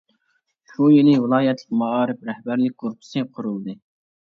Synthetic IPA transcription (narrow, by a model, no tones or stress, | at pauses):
ʃujilɪvɨlˠɑːjɛt̪ʰlɪkʲmɑɑːɾɪpɾɛhbæɾlɪk̚ʲɡoɾpʰɨ̥sɨqʰʊɾulˠd̪ɨ